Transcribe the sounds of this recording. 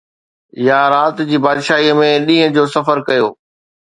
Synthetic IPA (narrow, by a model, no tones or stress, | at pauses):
jaːɾaːt̪d͡ʑiːbaːd̪ʃaːɦiəmẽɗĩːɦə̃d͡ʑoːsɐfəɾkɐjoː